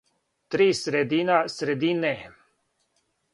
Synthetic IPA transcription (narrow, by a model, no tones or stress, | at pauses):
t̪ɾisɾed̪inasɾed̪ine